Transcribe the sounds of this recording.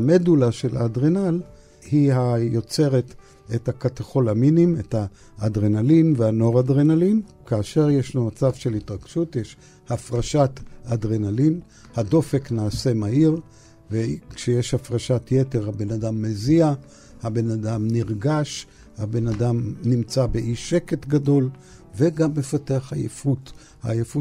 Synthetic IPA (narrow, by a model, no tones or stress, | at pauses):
medulaʃeladʁenal | hiɦajo̞t͡se̞ʁet | ethakataχo̞laminimethaː | dʁenalinvehano̞ʁadʁenalinkaːʃe̞ʁje̞ʃnumat͡savʃe̞litʁaɡ̥ʃutjeʃ | hafʁaʃatadʁenalin | hado̞fe̞knaːse̞maiʁ | vekʃejeʃhafʁaʃatjete̞ʁhabe̞nadamːezia | habe̞nadamniʁɡaʃ | habe̞nadamnimt͡sabe̞ʔiʃe̞ke̞tɡado̞l | ve̞ɡamːe̞fateaχhajḛfut | ha̰jefu